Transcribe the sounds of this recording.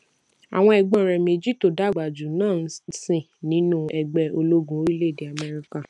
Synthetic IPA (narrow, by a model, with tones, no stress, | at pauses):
a̰˨w̃ɔ̃˧˦ɛ˧˨ɡ͡bɔ̃˨ɾɛ˨me˨˧˨d͡ʒi˦to˨da˨˦˨ɡ͡ba˨d͡ʒu˨nãː˦˨˦sĩ˦˨ | nĩ˨˦nũ˦ɛ˨ɡ͡bɛ˧o˧lo˦ɡũ˨˦i˦le˦˨de˨a˨mɛ˧ɾi˧ka˨